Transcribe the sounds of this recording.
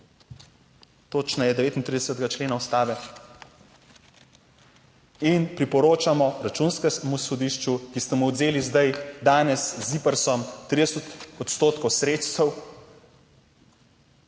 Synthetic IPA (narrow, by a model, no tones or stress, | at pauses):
t̪oːt͡ʃnajɛd̪ɛʋeːt̪int̪ɾid̪ɛsɛt̪ɡat͡ʃleːnaust̪aːʋɛ | inpɾipɔɾoːt͡ʃamɔɾat͡ʃuːnskɛmusɔd̪iːʃt͡ʃukist̪ɛmuɔd̪zeːlizd̪ajd̪aːnɛszipɛɾsɔmt̪ɾid̪ɛst̪ɔt̪st̪oːt̪kɔwsɾeːt̪st̪ɛw